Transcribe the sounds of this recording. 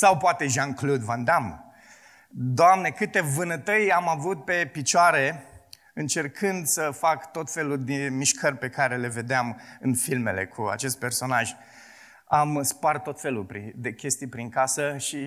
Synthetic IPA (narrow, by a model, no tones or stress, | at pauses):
sawpoat̪e̞ʒanklud̪vand̪am | d̪oamne̞kɨt̪e̞vɨnət̪əjamavut̪̚pe̞pit͡ʃoaɾe̞ | ɨnt͡ʃe̞rkʰɨnd̪səfakt̪o̞t̪fe̞lud̪emiʃkʰərʲpe̞kaɾe̞le̞ve̞d̪eamɨnfilme̞̰le̞̰kʰua̰t͡ʃe̞st̪̚pe̞rso̞naʒ | amspart̪ːo̞t̪fe̞lupɾid̪e̞kʲe̞st̪ijpɾinkasəʃi